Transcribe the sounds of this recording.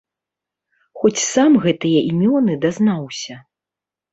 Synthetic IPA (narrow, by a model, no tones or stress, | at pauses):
xɔt͡sʲsamɣɛt̪ɨjɐʔimʲɔnɨd̪aznawsʲɐ